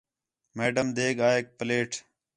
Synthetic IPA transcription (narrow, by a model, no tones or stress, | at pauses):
meːɖəmd̪eːɡaːek̚pəleːʈʰ